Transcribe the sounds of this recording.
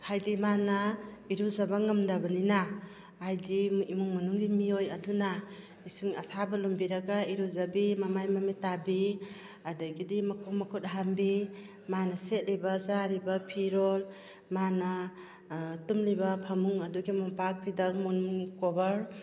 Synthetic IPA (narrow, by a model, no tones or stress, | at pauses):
hajdimanɐiɾuzabaŋamdabɐnina | hajdiimuŋmanuŋɡimiojɐduna | isiŋɐsabɐlumbiɾaɡaiɾuzabimamajmametabi | adaɡidimakʰɔmakʰut̚ɦambi | manɐset̚libazaɾibapʰiɾol | manɐ | tumlibapʰamuŋɐduɡimampak̚pʰidamunuŋkobɐɾ